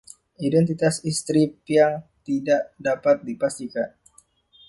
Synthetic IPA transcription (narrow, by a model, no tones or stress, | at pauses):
ʔidɛnt̪it̪asist̪ɾipiaŋt̪idaʔdapat̪̚dipast̪ikan